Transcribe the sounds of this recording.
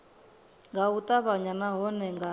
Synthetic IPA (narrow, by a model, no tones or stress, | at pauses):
ŋɡaut̪ʼaβaɲanaɦɔnɛŋɡa